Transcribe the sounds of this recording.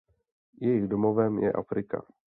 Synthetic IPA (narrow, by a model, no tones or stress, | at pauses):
jɛjɪɣdomovɛmjɛ̰ʔa̰fɾɪka̰